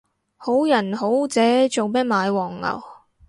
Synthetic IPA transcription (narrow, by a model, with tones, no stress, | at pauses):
ho˨˥wjɐ˨˩nho˨˥wt͡sɛː˨˥t͡so˨wmɛ˥t̚maː˨˧jwɔː˨˩ŋːɐ̰˨˩w